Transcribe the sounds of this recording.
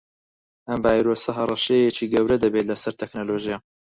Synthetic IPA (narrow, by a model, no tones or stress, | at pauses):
ʔɐmvaːjɾoːsɐɦɐrˤɑʃɛjɛt͡ʃiːɡɐwɾɐd̪ɐbet̪lɐsɐɾt̪ʰeknoloʒija